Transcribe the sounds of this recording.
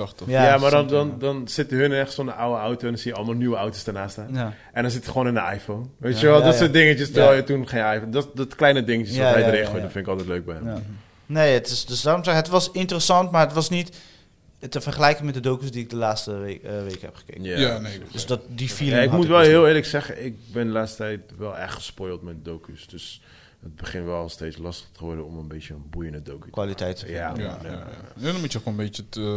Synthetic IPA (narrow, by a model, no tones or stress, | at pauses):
jajamaːdɔndɔndɔnsɪtəɦənnɛχəsɔndəʔawəawtoɛndɔnsijəɑlˠəmalˠnywəawtostənaːstaːn | ʔɛ̃ndɔnsɪtəχəʋoːnɪ̃ndəa̰jfownʋejəʋɛlˠdɔətdɪŋət͡ʃəstəɛlˠjətunχejnajndɔtdɔtklɛjnədɪŋət͡ʃəsɔɦɛjdəɾɪnχojdɔnfɪnɪkɑlˠtɛtløɥk̚bɛjhɛm | nejətɪsdøsdaːromsɛɦətʋɑsɪntərəsɑntmaːətʋɑsnit | təfərχəlɛjkəŋmɛtdədowkysdiɪk̚dəlaːtstəʋejkhɛ̰pχə̥kḛːanedøsdɔtdifilaɪkmutʋɛlˠɦɪːlˠɪːɹləksɛχə̰ʔɪk̚bɛndəlaːtstətɛjtʋɛlˠɛ̰χtχə̥spojlˠtmɛdədowkysd̥øs | ət̚bəχɪntʋɛlˠlˠsteːtslɑstəχtəəʋɔɹdəɔmənbetjənbujə̃ndədowky̥kʋalitɛjtəaaɛdɔnmutəxonəbeə